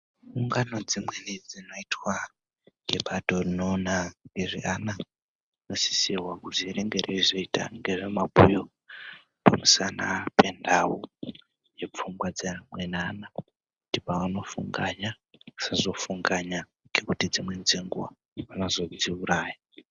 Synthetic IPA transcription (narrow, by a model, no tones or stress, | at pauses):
uŋɡano̞d͡zimwenid͡zino̞itwa | ŋɡe̞ɓato̞rinoːnaŋɡe̞ʐḭʔana | inosi̥siwakuziɾeŋɡeɾʔezoita̰ŋɡe̞ʐemabʱujo | pamusanapendawu | je̞p͡fumɡwad͡zemwenaːna | kutipaʋano̞fṵŋɡaɲa | sazo̞fuŋɡaɲa | ŋɡekutid͡zimwend͡zeŋɡuwa̰ | βanozo̞d͡ziuɾaːja